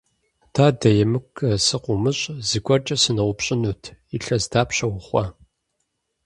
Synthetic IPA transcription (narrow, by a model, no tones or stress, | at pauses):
d̥aːdɐjɛmɨkʰːɐsɨqʷʊmɨɕʼzɨkʷʼɔrt͡ʃʼɐsɨnɐwʷʊpɕʼɪnuːtʰiɬɐzdaːpɕɐwʊχʷɐ